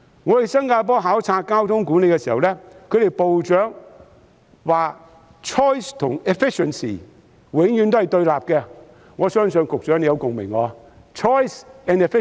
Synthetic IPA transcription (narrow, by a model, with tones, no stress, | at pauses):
ŋɔː˨˧t̪e˨sɐ˥ŋkaː˧p̬ɔː˥ɦaː˨˥wt͡sʰaː˧kaː˥wt̪ʰʊ˥ŋkuː˨˥ne˨˧jkɛː˧siː˨˩hɐ̰˨wlɛː˥kʰɵ˨˧ɥɾe˨jpo˨wt͡ʃœː˨˥ŋ | waː˨ | t͡ʃʰɔː˥jst̪ʰʊ˨˩ŋɛ˨fɪ˥ʃə˨nsḭ˨ | wɪ˨˥ŋjyː˨˥nt̪o˥hɐ˨jt̪ɵ˧ɥlaː˨p̚kɛ˧ | ŋɔː˨˧sœː˥ŋsɵ˨nkʊ˨k̚t͡ʃœː˨˥ŋne˨˧jɐ˨˧wkʊ˨ŋmɪ̰˨˩ŋŋɔ̰ː˨˧ | t͡ʃʰɔː˥jsɛ˨nɛ˨fɪ˥